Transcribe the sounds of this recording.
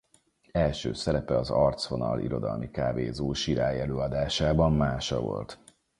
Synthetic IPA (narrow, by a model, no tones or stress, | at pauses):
ɛlʃøːsɛɾɛpɛɒzɒrt̪svo̞nɒlḭɾo̞d̪ɒlmikaːveːzoːʃiɾaːjɛløːɒd̪aːʃaːbɒmːaːʃɒvo̞̰lt̪